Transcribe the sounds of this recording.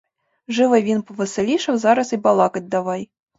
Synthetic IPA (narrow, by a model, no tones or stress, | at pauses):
ʐɨvɨjvʲinpɔvɨsɛlʲiʂɐwzaɾɐsibalˠɑkɐd̚ʲd̪avaj